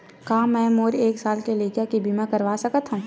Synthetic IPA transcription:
kaːmɛ̃ːmoːɾeːksaːlkeleːkjakibʱimãkɐɾʋaːsɐkət̪ɦã

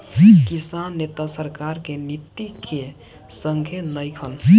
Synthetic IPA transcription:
kisanːet̪asəɾkaɾkenit̪ːikʰe | səŋɡʱjenəjkʰən

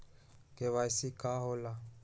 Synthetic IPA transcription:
kɛβajsikaɦɔla

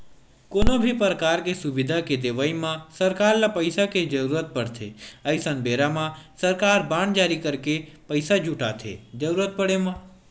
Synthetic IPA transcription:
koːnobʱipɾəkaːɾkesuʋɪd̪ʱaked̪eʋaimãsəɾkaːɾlapəɪsaked͡ʒəɾuːɾət̪̚pəɽt̪ʰḛəɪsənbeɾamãsəɾkaːɾbãːɳd͡ʒaːɾikəɾkepəɪsad͡ʒuʈa̰t̪ʰḛd͡ʒəɾuːɾət̪̚pəɽemã

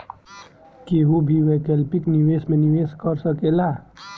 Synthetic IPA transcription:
keːɦubʱiʋɛkɛlpɪkniʋeːsmẽnɪʋeːskəɾsəkelaː

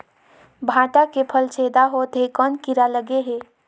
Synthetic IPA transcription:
bʱãʈakepʰəlt͡ʃʰed̪aɦot̪ɦekənkiɾaləɡeɦe

